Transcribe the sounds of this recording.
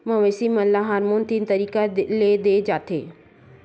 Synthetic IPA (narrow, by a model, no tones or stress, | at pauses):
mə̃ʋeːsiməllaɦaːɾmuːnt̪int̪əɾiːkaleːd̪eːd͡ʒaːt̪eː